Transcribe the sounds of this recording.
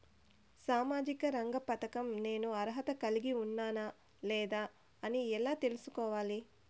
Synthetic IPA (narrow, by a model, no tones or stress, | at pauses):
saːmaːd͡ʒikɐɾɐŋɡɐpɐt̪ɐkɐmne̞ːnuɐɾɦɐt̪ɐkɐliɡiunːaːnɐ | lɛːd̪aː | ɐniɛlaːt̪e̞lusukɔːʋaːli